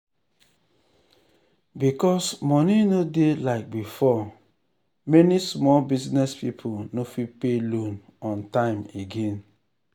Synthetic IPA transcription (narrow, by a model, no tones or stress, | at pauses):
bikɔsmɔninodelaɪk̚bifɔ | mɛnismɔlbiznɛspipʰonofipelõn | ɔ̃ntãɪ̃meɡẽn